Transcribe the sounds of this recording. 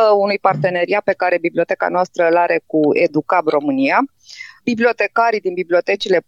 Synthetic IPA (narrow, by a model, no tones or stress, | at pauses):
əunujpart̪e̞ne̞ɾiat̪̚pe̞kaɾe̞bibliot̪e̞ka̰noast̪ɾəlaɾe̞kuḛd̪ukabro̞mɨnija | biblʲio̞t̪e̞kaɾid̪inbiblio̞t̪e̞t͡ʃile̞